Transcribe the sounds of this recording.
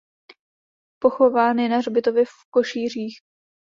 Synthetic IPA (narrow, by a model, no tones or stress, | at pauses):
po̞xo̞vaːnjɛnarbɪt̪ovjɛfko̞ʃiːr̝iːx